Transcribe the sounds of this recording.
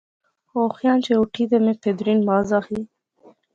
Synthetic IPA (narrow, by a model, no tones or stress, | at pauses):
oxjɑnt͡ʃeuʈʰid̪emeped̪ɾinmɑːzɑxi